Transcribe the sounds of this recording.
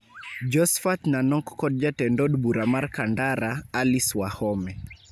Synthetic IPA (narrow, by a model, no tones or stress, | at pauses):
d͡ʒɔsfat̪nanɔkːɔd̚d͡ʒatɛndɔdbuɾamarkandaɾaːliswahɔmɛ